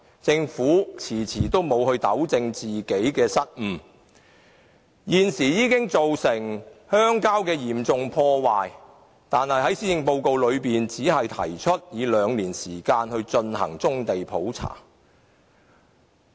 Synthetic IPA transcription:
t͡sɪ˧ŋfuː˨˥t͡sʰiː˨˩t͡sʰiː˨˩t̪o˥wmo˨˧whɵ˧ɥt̪ɐ˨˥wt͡sɪ˧ŋt͡siː˨ke˨˥jkɛː˧sɐ˥t̚m̩˨˧ | jiː˨˧nsiː˨˩jiː˨˧kɪ˥ŋt͡so˨wsɪ˨˩ŋhœː˥ŋkaː˥wkɛː˧jiː˨˩mt͡sʊ˨ŋpʰɔː˧waː˨j | t̪aː˨nhɐ˨jɦɐ˨˥jsiː˥jɪ˧ŋpo˧wko˨˧wlɵ˨˧ɥpiː˨nt͡siː˨˥ɦɐ˨jt̪ʰɐ̰˨˩jt͡ʃʰɵ˥t̚jiː˨˧lœː˨˧ŋliː˨˩nsiː˨˩kaː˧nhɵ˧ɥt͡ʃɵ˧nhɐ̰˨˩ŋt͡sʊ˥ŋt̪e˨jpʰo˨˥wt͡sʰa̰ː˨˩

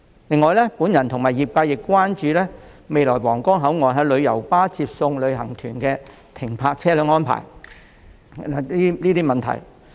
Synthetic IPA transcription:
lɪ˧ŋːɔː˨jlɛː˥puː˨˥njɐ˨˩nt̪ʰʊ˨˩ŋmaː˨˩jiː˨˩p̚kaː˧jɪ˨kːʷwaː˥nt͡ʃyː˨˧lɛː˥me˨˧jlɔː˨˩jwɔː˨˩ŋkɔː˥ŋɦɐ˨˥wŋɔː˨jɦɐ˨˥lɵ˨˧ɥjɐ˨˩wpaː˥t͡sʰiː˧p̚sʊ˧ŋlɵ˨˧ɥɦɐ̰˨˩ŋt̪ʰyː˨˩nkɛː˧ | t̪ʰɪ˨˩ŋpʰaː˧k̚t͡sʰɛː˥lœː˨˧˥ŋɔː˥npʰa̰ː˨˩j | a˨˧liː˥liː˥t̪iː˥mɐ˨nt̪ʰɐ̰˨˩j

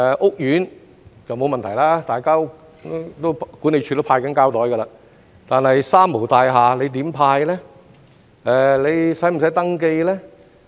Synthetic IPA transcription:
ʔʊ˥k̚jyː˨˥n | t͡sɐ˨wmo˧wmɐ˨nt̪ʰjlaː˥t̪aː˨jkaː˥ | t̪t̪o˥wkuː˨˥ne˨˧jt͡ʃʰyː˧t̪o˥wpʰaː˧jkɐ˨˥nkaː˥wt̪ɔː˨˥jkɐ˧laː˧ | t̪aː˨nhɐ˨jsaː˥mːo˨˩wt̪aː˧jɦaː˨le˨˧jt̪̬iː˨˥mpʰaː˧jlɛː˥ | ɛː˨˧le˨˧jsɐ˨˥jm̩˨˩sɐ˨˥jt̪ɐ˥ŋke˧jlɛː˥

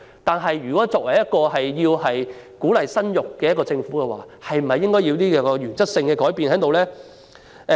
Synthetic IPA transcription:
t̪aː˨nɦɐ˨jɥyː˨kɔ˨˥t͡sɔː˧k̚wɐ˨˩jɐ˥t̚kɔː˧ɦɐ˨jjiː˧whɐ˨jkuː˨˥lɐ˨jsɐ˥njʊ˨kːɛː˧jɐ˥tkɔː˧t͡sɪ˧ŋfuː˨˥kɛː˧wa̰ː˨hɐ˨jm̩˨˩hɐ˨jːɪ˥ŋkɔː˥ji˧wt̪iː˥kɛ˧kɔː˧jyː˨˩nt͡sɐ˥k̚sɪ˧ŋkɛː˧kɔː˨˥jpiː˨nhɐ˨˥jt̪o˨wlɛː˥

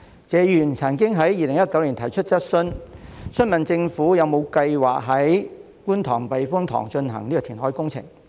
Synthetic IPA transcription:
t͡sɛː˨˧jyː˨˩nt͡sʰɐ˨˩nkɪ˥ŋɦɐ˨˥jjiː˨˧lɪ˨˩ŋjɐ˥t̚kɐ˨˥wliː˨˩nt̪ʰɐ˨˩jt͡ʃʰɵ˥t̚t͡sɐ˥t̚sɵ˥nsɵ˥nmɐ˨nt͡sɪ˧ŋfuː˨˥jɐ˨˧wmo˨˧wkɐ˧jwaː˨k̚ɦɐ˨˥j | kuː˥nt̪ʰɔ̰ː˨˩ŋpɐ˨jfʊ˥ŋt̪ʰɔ̰ː˨˩ŋt͡ʃɵ˧nɦɐ̰˨˩ŋliː˥kɔ˧t̪ʰiː˨˩nɦɔː˨˥jkʊ˥ŋt͡sʰɪ̰˨˩ŋ

